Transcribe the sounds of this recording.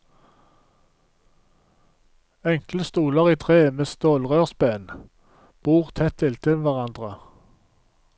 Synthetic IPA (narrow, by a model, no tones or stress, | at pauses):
ɛŋkləst̪uːləʁiːt̪ʰʁeːmeːst̪oːlʁøːʁsbeːn | b̥uːʁt̪ʰɛt̪ʰːɪlt̪ʰɪʋæʁɑnd̪ʁə